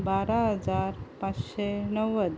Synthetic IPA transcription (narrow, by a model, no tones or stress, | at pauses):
baɾaɦəd͡zaɾpat͡sɕenəwːəd̪